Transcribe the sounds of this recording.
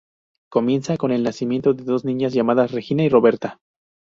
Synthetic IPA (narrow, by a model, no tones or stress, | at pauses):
ko̞mje̞nsako̞ne̞lnasimje̞nt̪o̞ðe̞ðo̞znĩɲazʝamaðasre̞xinairo̞βe̞ɾt̪a